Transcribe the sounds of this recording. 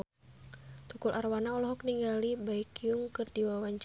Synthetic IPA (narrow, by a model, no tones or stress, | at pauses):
t̪ukulʔarwanaɔlɔɦɔkniŋɡalibaikiuŋkɨrd̪iwawaɲt͡ʃ